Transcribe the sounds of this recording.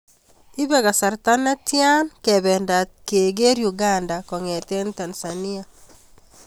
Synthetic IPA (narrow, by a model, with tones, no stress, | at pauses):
i˦bɛ˦ka˨sa˨ɾta˦na˦tja˦nkɛβɛ˨nda˨ke˨ɡe˦ɾju˨ɡandakɔ˨ŋɛ˨te˦nta˨nsani˦a˨